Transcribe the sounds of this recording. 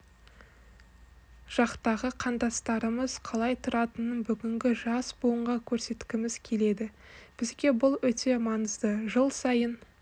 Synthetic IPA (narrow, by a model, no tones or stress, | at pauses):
ʒ̥ɑqt̪ɑʁəqʰɑnd̪ɑst̪ɑɾəməzqʰɑlˠɑjt̪ʰʊɾɑt̪ənənbʏɡʲɪŋɡʲɪʒɑsboəɴʁɑkʲʰɵɾse̞t̪kʲɪmɪzkʲʰe̞le̞d̪ɪb̥ɪzɡʲe̞bʊlˠwɵt̪ʰe̞mɑnəzd̪əʒəlˠsɑjən